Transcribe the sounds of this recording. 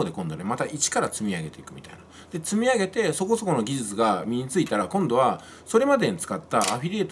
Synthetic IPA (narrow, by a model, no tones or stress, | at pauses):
od̪e̞kõ̞nd̪one̞mat̪aʔit͡ɕi̥kaɾat͡sɨmʲiaɡe̞t̪e̞ikɯ̟mʲit̪a̰ina | d̪̥e̞t͡sɨmʲiaɡe̞t̪e̞so̞ko̞so̞ko̞no̞ɡʲiʑit͡sɨɡamʲiɲ̟it͡sɨit̪aɾakõnd̪o̞β̞a | so̞ɾe̞mad̪e̞ɲĩt͡sɨ̥kat̪ːaːɸʲiɾʲiet̪